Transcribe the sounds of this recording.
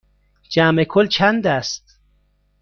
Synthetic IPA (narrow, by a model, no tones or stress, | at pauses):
d͡ʒæmekʰolt͡ʃʰænd̪æst̪